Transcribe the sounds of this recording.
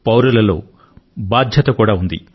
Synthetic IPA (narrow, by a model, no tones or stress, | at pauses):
pɐwɾɐlɐlo̞̰ː | baːd̪ʱjɐt̪ɐkuːɽaːund̪ḭ